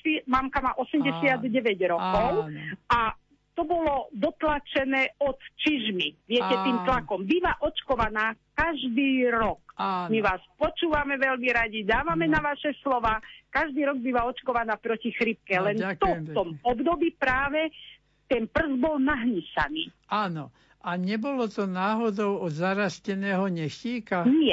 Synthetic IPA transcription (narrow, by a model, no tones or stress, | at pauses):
imamkamaːʔɔsɛmɟɛsɪad̪ɟɛʋɛɟɾɔkɔʊa | t̪ɔbɔlɔd̪ɔt̪lat͡ʃɛnɛːɔt̪t͡ʃiʒmiʋɪɛcɛt̪iːmt̪lakɔmbiʋaʔɔt͡ʃkɔʋanaːkaʒd̪iːɾɔkmiʋaːspɔt͡ʃuːʋamɛʋɛʎmiɾaɟid̪aːʋamɛnaʋaʃɛslɔʋaːkaʒd̪iːɾɔɡ̚biʋaɔt͡ʃkɔʋanaːpɾɔcixɾip̚kɛlɛnt̪ɔt̪ɔmɔbd̪ɔbiːpɾaːʋɛ | t̪ɛnpr̩zbɔlnaɦɲisa̰nḭː | aːnɔ | ʔaɲɛbɔlɔt̪ɔnaːɦɔd̪ɔʊɔd̪zaɾascɛnɛːɦɔɲɛxciːkaɲɪɛ